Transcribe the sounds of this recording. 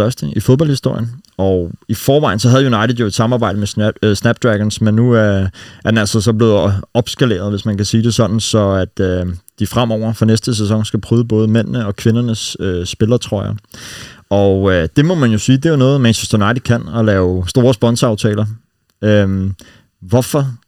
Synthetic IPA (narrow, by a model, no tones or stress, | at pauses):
ɶɐsd̥əifoð̞ˠb̥ɒ̽lhisd̥o̝ɐ̰jənʔɒifɒːʋɑ̈ɪ̰n̩sɒ̽ɦæð̞̩ˠjunɑ̈ɪɾ̥ð̩ˠjo̝e̝d̥sɑ̈mɑ̈ːbɑ̈ɪ̰d̥əmesnæb̥d̥ʁæɡ̥ɐnsmenːu | æɐd̥enælsɐsɒ̽b̥le̝ːðˠɒ̽b̥sɡ̥æle̝̰ːɐðˠʋe̝smænkʰæsiːd̥e̝sɒ̽nn̩sɒ̽æd̥ød̥ifʁam̰ɒʊ̰ɐfɒ̽nesd̥əs̬esɒ̽ŋsɡ̥æpʰʁyːðˠəb̥ɔ̽ːð̞̩ˠəmen̰nəɒ̽kʰʋe̝nɐnəsøːb̥e̝lɐt͡sʰʁɒ̰ɐjɑ | ʔɒød̥e̝mɒ̽mænjo̝siːd̥e̝onɔ̽ːð̞̩ˠmænɕesd̥unɑ̈ɪd̥ð̥̩ˠkʰæn̰ɒ̽lɛːʊsd̥o̝ːɐsb̥ɒ̽nsɑ̈ʊt͡sʰɛ̰ːlɐ | ø | ʋɒ̽fɒ̽